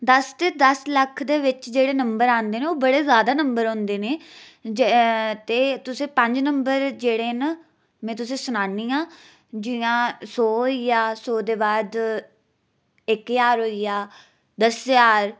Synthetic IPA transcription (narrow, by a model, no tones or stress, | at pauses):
d̪əst̪eːd̪əsləkʰd̪eːʋɪt͡ʃd͡ʒeːɽeːnəmbəɾãːnd̪eːneːoːbəɽeːzjaːd̪aːnəmbəɾɦõːnd̪eːneː | t̪eːt̪ʊsẽːpə̃ɲd͡ʒnəmbəɾd͡ʒeːɽeːna | mɛ̃ːt̪ʊs̬ẽːsʊnaːnĩːãː | d͡ʒɪjãːsoːɦijaːsoːd̪eːbaːd̪ | ɪkjaːɾɦoːijaː | d̪əsjaːɾ